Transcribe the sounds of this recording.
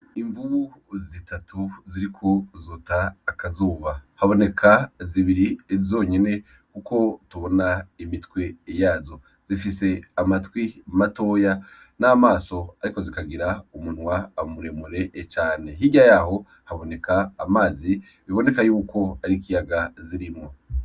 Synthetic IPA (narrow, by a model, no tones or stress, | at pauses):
iɱvuβuzitʰatuziɾikʰozutaːkazuːβahaβo̞ne̞kʰaziβiɾiezo̞ːɲene̞ | kuko̞tuβo̞naimitwe̞jaːzo̞ | z̥ifise̞amatwimato̞ːja | naːmaːso̞aɾiko̞zikaɡiɾaumun̥waːmuɾe̞muɾe̞ʔːt͡ʃaːne̞ɦiɟajaho̞ | haβo̞ne̞kaːmaːzi | βiβo̞ne̞kajuːko̞aɾikijaɡaziɾimo̞